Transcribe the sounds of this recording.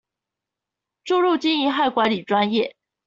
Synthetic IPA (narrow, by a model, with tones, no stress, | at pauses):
ʈ͡ʂu˥˧ɻu˥˩t͡ɕi˥ŋi˧˥xa˥˩ɪkwa˧˥ɪli˨˩ʈ͡ʂwa˥njɛ˥˩